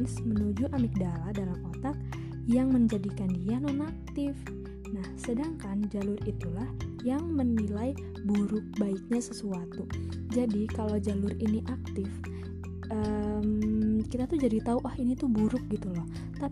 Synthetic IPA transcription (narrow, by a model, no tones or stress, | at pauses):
nsmənud͡ʒuʔamik̚daladalamkot̪ak̚ | jaŋməɲd͡ʒadikandianɔnak̚t̪ɪf | nahsədaŋkand͡ʒalʊrit̪ulahjaŋmənilaj | buɾʊk̚baik̚ɲasəsuat̪u | d͡ʒadikalawd͡ʒalʊɾiniʔak̚t̪ɪf | əmkit̪at̪uhd͡ʒadit̪auʔahinit̪ubuɾʊk̚ɡit̪ulɔh | t̪a